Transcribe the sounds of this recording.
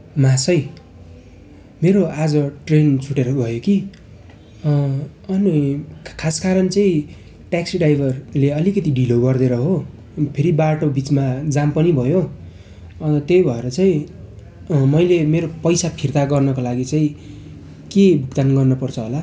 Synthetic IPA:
masʌj | meɾoad͡zʌʈrent͡sʰuʈeɾʌbʱʌjoki | ʌnikʰaskaɾʌnt͡sʌĩ | ʈaksiɖajbʱʌrleʌlikʌt̪iɖʱiloɡʌrd̪eɾʌɦo | pʰeɾibaʈobit͡smad͡zampʌnibʱʌjo | t̪ejbʱʌeɾʌt͡saĩ | mʌjlemeɾopʌjsapʰirt̪aɡʌrnʌkolaɡit͡sãĩ | kebʱukt̪anɡʌrnʌpʌrt͡sʰʌɦola

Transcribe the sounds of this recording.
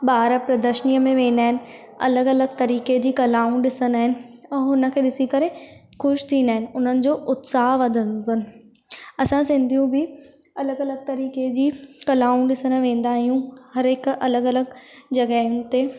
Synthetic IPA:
ɓaːɾəpɾɐd̪əʃəniːjəmẽʋẽːn̆d̪aːɦɪnɪ̆ | ɐ̰ləɡɐləɡ̚t̪ɐɾiːked͡ʑiːkɐlaːũɳɗɪsənaːɦɪnɪ̆ɛːɦʊnə̆kʰeːɗɪsikɐɾekʊʃt̪ʰĩːnd̪aːɦɪnɪ̆ʊn̤ənɪ̆d͡ʑoːʔʊt̪saːɦʋɐd̪ʱə̃nʊnɪ̆ | ɐsãsɪ̃nd̪ʱijũbʱɪ | ɐləɡɐləɡ̚t̪ɐɾiːked͡ʑiːkɐlaːʊũɗɪsənʋẽːn̆d̪aːɦijũhɐɾeːkɐləɡɐləɡd͡ʑɐɡaːɦʊ̃nt̪e

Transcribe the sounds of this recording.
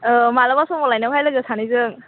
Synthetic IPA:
malabasɔmɔlajnawɦajlaɡɯsʰanizɯŋ

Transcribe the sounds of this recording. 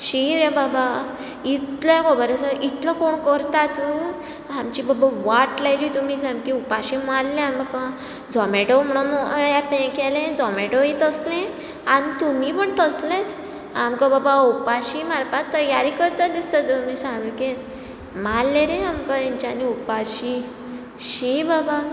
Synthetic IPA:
ɕiɾjababa | it̪lkɔbəɾesəʔit̪ləkoɳkəɾt̪at̪u | amt͡ɕiːbabaʋaʈlajd͡ʑiːt̪umiːsamkiupaɕimallẽaməka | d͡zɔmɛʈom̤əɽ̃unjapẽkelẽd͡zɔmeʈoĩt̪əslẽ | anit̪um̤ipəɳt̪əslet͡s | amkababaupaɕimaɾpat̪ːəjaɾikəɾt̪ad̪ist̪amisãŋɡikẽt | malːeɾẽamkəiɲt͡ɕaniupaɕi | ɕibaba

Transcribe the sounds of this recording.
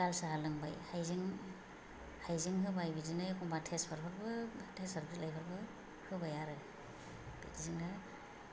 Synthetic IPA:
alsaɦalɯŋba̰jhajziŋ | hajziŋɦɯbajbizinɯjkʰɔmbatʰespʰaɾbʰɯɾbɯtʰesʰaɾbʰislajpʰaɾbɯ | hɯbajaɾɯ | b̥ḭtiziŋa

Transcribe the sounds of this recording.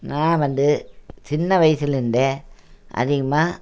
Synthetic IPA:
nãːʋɐnd̪ɯt͡ʃɪnːɐʋɐjsɪlɪnɖeːʔɐ̰ðɪɣɐmaː

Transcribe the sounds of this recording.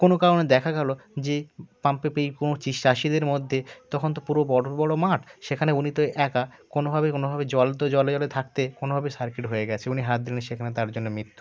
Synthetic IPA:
konokaɾoned̪ɛkʰaɡɛlod͡ʑepampepejkonot͡ɕiʃaʃid̪eɾmod̪ʱːet̪ɔkʰont̪̬opuɾobɔɽbɔɽomaʈʰʃekʰaneunit̪oeʔɛkakonobʱabekonobʱabed͡ʑɔlt̪od͡ʑɔled͡ʑɔlet̪ʰakt̪ekonobʱabesaɾkiʈɦoeɡɛt͡ɕʰeuniɦat̪̚d̪iliniʃekʰanet̪aɾd͡ʑonːomɾit̪ːu̥

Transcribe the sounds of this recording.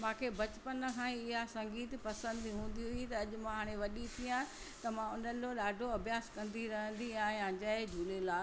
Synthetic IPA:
mãːkʰebɐt͡ɕpənkʰãːɪɦasɐ̃ŋɡiːt̪pɐsə̃nd̪iɦũːn̆d̪iɦʊit̪ɐːʄʊ̆mãɦaːɽ̃ẽʋɐɗit̪ʰiãː | t̪ɐmãʊnəloɗaːɖʱoɐbʱjaːskɐ̃nd̪iɾɐɦə̃nd̪iaːɦẽãːd͡ʑaed͡ʑʱuːlelaː

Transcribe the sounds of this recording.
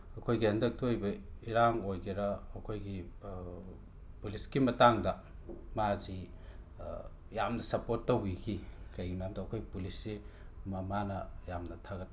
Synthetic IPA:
ɐkʰojɡihɐndɐk̚tɐojbɐiɾaŋojɡiɾɐɐkʰojɡi | puliskimɐtaŋdɐ | mazi | jamnɐsɐpotːɐwikʰikɐjinamdɐːkʰojpulisːi | mɐmanɐjamnɐtʰaɡɐt

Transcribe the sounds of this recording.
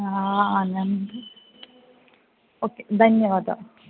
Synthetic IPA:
aanan | oːkːed̪ʱɐnjɐʋaːd̪ɐ̰

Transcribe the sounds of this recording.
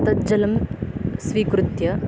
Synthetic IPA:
t̪ɐd͡ʒɐlɐmsʋiːkɾut̪jɐ

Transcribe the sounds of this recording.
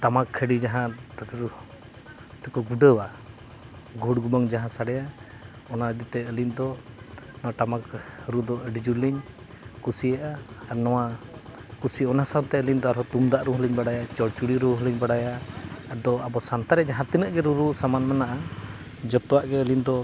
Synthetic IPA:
t̪amakʰːəɖid͡ʒaɦãɾu | t̪ɛkɔɡuɖəwa | ɡʱuɽɡubəŋd͡ʒaɦãsaɽɛja | ɔnad̪it̪ɛəliɲd̪ɔnɔwaʈamakɾud̪ɔʔəɖid͡ʒuliɲ | kusijaʔaːɾnɔwa | kusiɔnasawnt̪ɛəliɲd̪ɔaɾɦɔt̪umd̪aʔɾuɦəliɲbaɽajat͡ʃɔɽt͡ʃuɽiɾuɦəliɲbaɽajaːd̪ɔabɔsant̪aɾɛd͡ʒaɦãt̪inəʔɡɛɾuɾusamanmɛnaʔa | d͡ʒɔt̪ɔwaʔɡɛəliɲd̪ɔ

